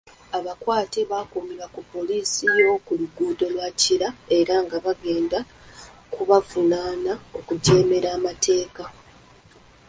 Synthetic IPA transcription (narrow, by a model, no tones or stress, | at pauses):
aβakwaːte̞βakuːmiβakupːo̞liːsijo̞kuluɡuːdo̞lwaciɾae̞ɾaŋɡaβaɡe̞ːnda | kuβavunaːnao̞kuɟe̞ːme̞ɾaːmatʰe̞ːka